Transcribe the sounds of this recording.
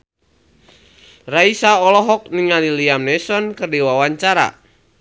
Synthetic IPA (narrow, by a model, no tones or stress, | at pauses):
raisaɔlɔɦɔk̚niŋaliliamnɛsɔnkɨrdiwawaɲt͡ʃaɾa̰